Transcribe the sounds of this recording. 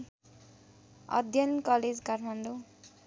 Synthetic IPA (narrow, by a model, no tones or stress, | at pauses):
ʌ̰d̪ʱjʌnkʌled͡zkarmʰʌnd̪o